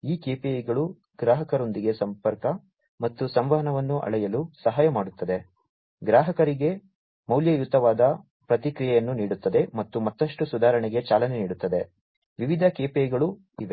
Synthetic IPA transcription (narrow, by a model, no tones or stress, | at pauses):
iːkeːpejɡɐɭu | ɡɾaːɦɐkɐɾo̞nd̪iɡe̞sɐmpɐɾkɐ | mɐt̪ːusɐmʋɐɦɐnɐʋɐnːuʔɐ̰ɭɛjɐlusɐɦaːjɐmaːɽut̪ːɐd̪e̞ | ɡɾaːɦɐkɐɾiɡe̞ | mɐwljɐjut̪ɐʋaːd̪ɐ | pɾɐt̪ikɾijɛjɐnːuniːɽut̪ːɐd̪e̞mɐt̪ːumɐt̪ːɐʂʈusud̪ʱaːɾɐɳiɡe̞t͡ʃaːlɐneniːɽut̪ːɐd̪e̞ | ʋiʋid̪ʱɐkeːpejɡɐɭu | iʋe̞